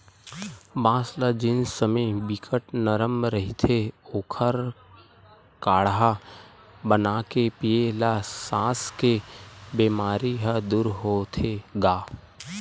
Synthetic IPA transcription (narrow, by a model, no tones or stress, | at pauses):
bãːslad͡ʒɪnsəməibikʰəʈnəɾəmɾəɦit̪ʰeoːkʰəɾ | kaːɽɦa | bənaːkepielasãːskebeːmaːɾiɦəd̪uːɾɦoːt̪ʰeɡaː